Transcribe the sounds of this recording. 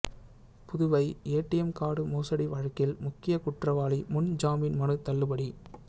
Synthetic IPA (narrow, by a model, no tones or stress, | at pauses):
pʊðɯʋɐɪeːʈːɪjɛmkaːɽɯmoːsɐɽiʋɐɻɐkːɪlmʊkːɪjɐkʊʈrɐʋaːlimʊnd͡ʒaːmɪnmɐnɯt̪ɐlːɯpɐɽi